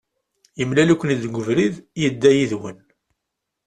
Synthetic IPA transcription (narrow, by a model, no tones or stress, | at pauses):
jəmlælukʷːənid̪ɡʷəvɾiðjəd̪ːæjiðwən